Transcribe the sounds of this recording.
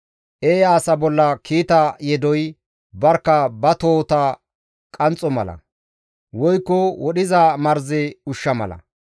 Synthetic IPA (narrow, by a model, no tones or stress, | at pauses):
ʔeːaːsɐbɔlːɐkʰiːt̪ɐjɛd̪ɔj | bɐɾkːɐbɐt̪oːt̪ɐ | kʼɐnt͡sʼɔmɐ̰lɐ̰ | wɔjkːɔwɔɗɪzamɐɾzɪʊʃːɐmɐ̰lɐ̰